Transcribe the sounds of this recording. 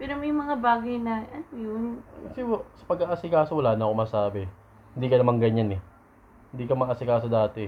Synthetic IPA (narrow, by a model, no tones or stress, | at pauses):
pɛːɾomɐjmɐŋabaːɡɐjnɐʔɐnojʊnkɐsɛwsɐ̥pɐɡ̚aʔasɪkaːsowɐlaːnɐɐkomɐsaːbɛ | hɪnd̪iːkɐnɐmaŋɡɐɲanɛ | hɪnd̪iːkɐmɐʔɐsɪkaːsod̪aːt̪ɛ